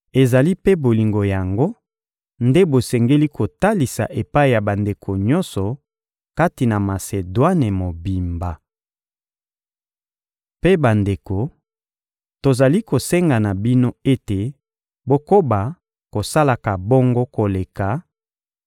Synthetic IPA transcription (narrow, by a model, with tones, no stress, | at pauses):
e˨za˨li˦pe˦bo˨li˨ŋɡo˨ja˨ŋɡo˦ | nde˦bo˨sɛ˨ŋɡe˦li˦kʰo˨ta˦li˨sa̰˨ʔe˨pa˦i˨ja˨ba˨nde˨kʰo˨ɲɔ˦nsɔ˨ | ka˦ti˨na˨ma˨se˨dwa˦ne˨mo˨bi˨mba˨ | pe˦ba˨nde˨ko˨ | to˨za˨li˦ko˨sɛ˦ŋɡa˨na˨bi˦no˦e˦te˨ | bo˦ko˦ba˨ | ko˨sa˦la˨ka˨bɔ˦ŋɡo˦ko˨le˨ka˨